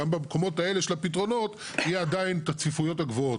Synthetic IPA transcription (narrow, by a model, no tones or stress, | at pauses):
ambamko̞mo̞tae̞leʃelapit̬ʁo̞no̞t | hijeadainetat͡sifujo̞thaɡvoo